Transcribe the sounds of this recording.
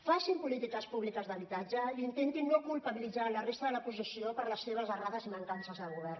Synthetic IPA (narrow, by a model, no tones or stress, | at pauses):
faʃimpulit̪ikəspuβlikəzðəβ̞it̪ad͡ʒəiint̪ent̪inːokulˠpəβilidd͡zalərest̪əðələpusisiopəɾləsːeβ̞əzəraðəziməŋkansəzðəlˠɣuβ̞ɛr